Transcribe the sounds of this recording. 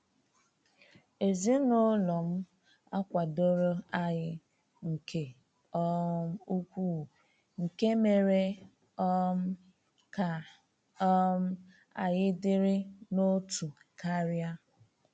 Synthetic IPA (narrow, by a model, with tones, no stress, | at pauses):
e˨zi˦no˦lɔ˨m̩˦ | a˦kʷa˨do˦ɾʊ˦a˦ɲɪ˦ | ŋ̩˨kʰe˨ | ɔ˦u˦kʷu˦˨ | ŋ̩˨ke˦me˨ɾe˦ | ka˨˦ | m̩˦ | a̰˨jɪ˦dɪ˦ɾɪ˦no˦tʰu˨ | ka˦ɾja˦